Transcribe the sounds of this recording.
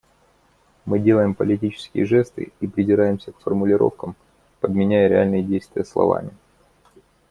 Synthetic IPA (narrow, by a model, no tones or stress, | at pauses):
mɨdʲe̞lˠəjɪmpəlʲɪt̬ʲit͡ɕɪ̥skʲɪ̰jəʐɛst̪ɨ̰ipɾʲɪzʲɪɾajɪmsʲəkfərmʊlʲɪɾʔo̞̰fkəm | pəd̪mʲɪnʲæjəɾʲɪalʲnɨjədʲejst̪vʲɪjəslˠɐ̰va̰mʲɪ